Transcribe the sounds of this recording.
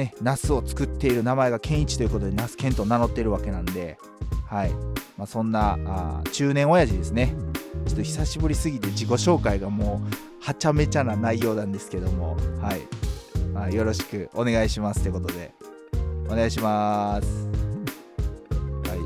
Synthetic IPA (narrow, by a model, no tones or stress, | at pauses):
ne̞nasɨo̞t͡sɨ̥kɯ̟t̪ːe̞iɾɯ̟namae̞ɡakʰẽ̞ɰ̃it͡ɕi̥t̪o̞iɯ̟ko̞t̪o̞d̪e̞nasɨ̥kẽnt̪o̞ːnano̞t̪ːe̞ɾɯ̟βake̞nãnd̪e̞ | haimaːsõ̞nːaa̰t͡ɕɨːnẽ̞ɰ̃o̞jaʑid̪e̞sɨne̞t͡ɕot̪ːoçi̥saɕibɯ̟ɾʲisɨɡʲit̪e̞d͡ʑiko̞ɕo̞ːkaiɡamoː | hat͡ɕame̞t͡ɕananaijo̞ːnãnd̪e̞sɨ̥ke̞d̪o̞mo̞̰haḭmajo̞ɾo̞ɕi̥kɯ̟ʔo̞ne̞ɡaiɕimasɨt̪eɯ̟kot̪o̞d̪e̞̰ | o̞ne̞ɡaiɕimasɨ̥ | hai